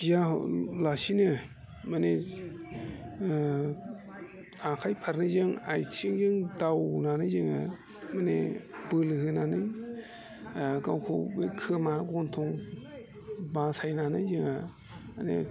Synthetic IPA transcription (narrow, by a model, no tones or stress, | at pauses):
jahlasinɯ | mane | akʰajpʰaɾnɯzɯŋajt͡ʃʰiŋjɯŋdawnanɯjzɯŋa | manḛbɯlɯhɯnanɯj | kawkʰobekʰɯmaɡont̪ʰoŋ | basajnanɯzɯŋa | anḛ